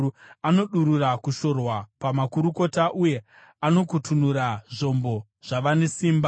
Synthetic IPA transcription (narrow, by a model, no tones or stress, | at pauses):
ano̞ɗuɾurakuʃo̞rwapamakuɾuko̞taʔuje̞ | ano̞kutʰunuɾaʐo̞mbo̞ | ʐ̥aʋane̞siːmba